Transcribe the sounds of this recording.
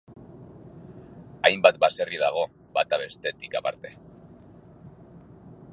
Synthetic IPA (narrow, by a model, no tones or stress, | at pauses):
ajmbat̪base̞riðaɣ̞o̞ | bat̪aβ̞e̞st̪e̞t̪ikapaɾt̪e̞̥